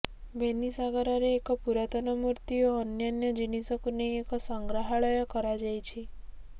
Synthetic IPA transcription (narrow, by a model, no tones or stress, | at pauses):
benisaɡəɾaɾeːkəpuɾat̪ənəmuɾt̪ioənjanjəd͡ʒinisəkneeksəŋɡɾaɦaɭəjɔkəɾad͡ʒajt͡ʃʰe